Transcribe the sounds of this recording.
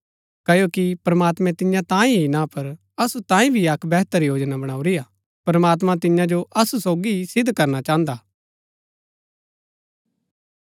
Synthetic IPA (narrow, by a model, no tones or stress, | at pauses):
kɐjokipɾɐmaːt̪mɛ̃t̪ɪjãt̪ãːĩɦinapɐɾ | ɐsut̪ãːĩbʱiɐkʰbɛːɦt̪əɾjoːd͡ʒnabɐɽ̃aːuɾijaː | pɾɐmaːt̪̬mãt̪̬ɪjãd͡ʒoʔɐsusoːɡisɪd̪kɐɾnat͡ʃãːə̃nd̪aː